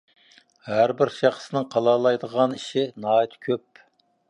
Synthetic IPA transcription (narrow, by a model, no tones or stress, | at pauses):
hæɾbɪɾʃɑχə̥sənɨŋqʰɑlˠɑlˠɑjd̪əʁɑniʃɪnɑːjt̪ʰkʲʰøp̚